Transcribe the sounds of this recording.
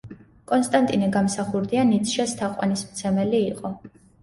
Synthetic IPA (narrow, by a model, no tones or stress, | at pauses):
kʼɔnst̪ʼant̪ʼinɛɡamsaχuɾd̪ianit̪ʰʃast̪ʰaqʼwa̰nismt̪sʰɛmɛliːqʼɔ